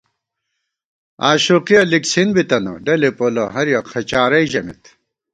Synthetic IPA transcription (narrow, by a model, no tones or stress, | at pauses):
aːɕuqijɐliksinbit̪ɐno̰ɖɐlipolɐɦɐɾjɐqʰɐt͡ɕaːɾɐjʑɐmḭt̪